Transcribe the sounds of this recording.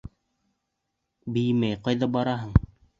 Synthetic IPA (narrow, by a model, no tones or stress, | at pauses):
bɘ̆jmæjqɑjðɑbɑɾɑɦɤɴ